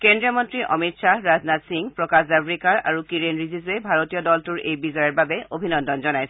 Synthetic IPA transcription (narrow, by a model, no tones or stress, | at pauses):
kendɹijɔmɔntɹiʔɔ̰mitsaɹaznatsiŋɡpɹɔkaszabɹikaɹa̰ɹukiɹenɹizizɛbʱaɹotijɔdɔltuɹejbizɔjɔɹbabɛʔobʱinɔndɔnzɔnajsɛ